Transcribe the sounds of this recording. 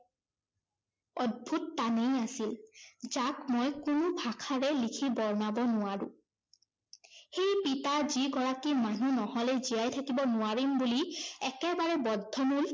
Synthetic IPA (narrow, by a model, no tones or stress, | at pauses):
ɔd̚bʱutːanejasilzakmɔjkʊnʊbʱakʰaɹɛlikʰibɔɹnabɔnʊwaɹʊ̃ | xejpitaziɡɔɹakimanunɔhɔlɛzijajtʰakibɔnʊaɹimbuliɛkɛbaɹɛbɔdʱːɔmul